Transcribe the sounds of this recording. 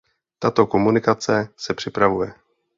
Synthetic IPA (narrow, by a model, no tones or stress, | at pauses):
t̪at̪o̞ko̞munɪkat͡sɛsɛpr̝̥ɪpɾavujɛ